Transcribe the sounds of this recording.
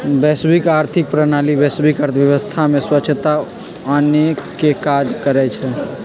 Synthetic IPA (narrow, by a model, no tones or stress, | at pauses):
bɛsbikaɾt̪ʰik̚pɾənalibɛsbikəɾt̪ʰʋjəʋəst̪ʰameswəːt͡ʃʰət̪a | ənekːekad͡ʒkəɾɛt͡ʃʰɛ